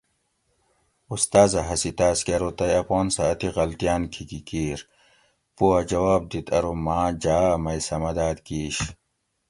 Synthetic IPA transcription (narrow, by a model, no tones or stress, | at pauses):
ust̪aːzɐɦɐsit̪aːskeɾot̪ɐjɐpoːnsɐːt̪iɣɐlt̪ijaːnkʰikikiːɾ | puɐd͡ʑɐwaːb̚d̪it̪ʰɐɾomaːd͡ʑaːmɐjsɐmɐd̪aːd̪kiːɕ